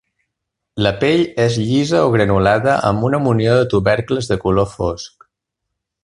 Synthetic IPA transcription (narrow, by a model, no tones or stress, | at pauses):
ləpeʎezʎizəoɣɾənulaðəʔə̰mbunəmunioðət̪uβɛɾkləzðəkulofosk